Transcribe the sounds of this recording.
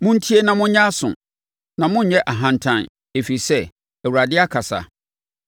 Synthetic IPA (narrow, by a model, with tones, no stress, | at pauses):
mʊ̃˦n̩˦tʰi˦e˦nã˨mʊ̃˦ɲã˦sʊ̰̃˨ | nã˨mʊ̃˦ɲ˨ɲɛ˦ʔa˨ɦã˨n˨tʰã˨n | e˨fi˨sɛ˦˨ | ɛ˨wu˨ɾa˨dɪ˦a˦kʰa˨sa̰˨